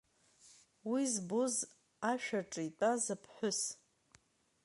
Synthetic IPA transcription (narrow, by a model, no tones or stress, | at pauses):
wizboz | aʃᶣaʈ͡ʂʼitʷʼazapʰħʷᶣʊs